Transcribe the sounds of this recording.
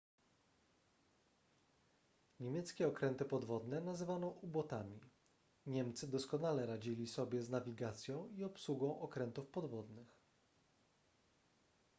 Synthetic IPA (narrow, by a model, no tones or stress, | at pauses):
ɲemʲjɛt̪skʲɛɔkɾɛnt̪ɘpɔd̪vɔd̪nɛnazɘvanɔ̃ʔubɔt̪amʲi | ɲɛmt̪sɘd̪ɔskɔnalɛɾad͡ʑilʲisɔbʲjɛznavʲiɡat̪sʲjɔ̃w̃iɔpsuɡɔ̃w̃ʔɔkɾɛnt̪ufpɔd̪vɔd̪nɘx